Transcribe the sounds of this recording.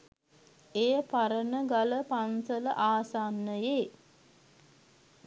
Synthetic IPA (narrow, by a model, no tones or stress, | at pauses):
ejəpaɾənəɡaləpansələʔaːsanːəjeː